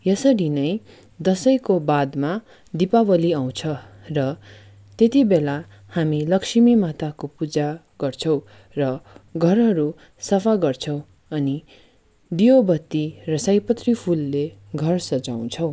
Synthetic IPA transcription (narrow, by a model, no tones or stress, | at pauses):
jʌsʌɾinʌj | d̪ʌsʌjkobad̪ma | d̪ipabʌliaw̃t͡sʰʌ | rʌ | t̪et̪ibela | hamilʌksimimat̪akopud͡za | ɡ̥ʌrt͡sʰʌw̃ | rʌɡʱʌrɦʌɾu | sʌpʰaɡʌrt͡sʰʌw̃ | ʌni | d̪iobʌt̪ːirʌsʌjpʌt̪ripʰulːeɡʱʌrsʌd͡zaw̃t͡sʰʌw̃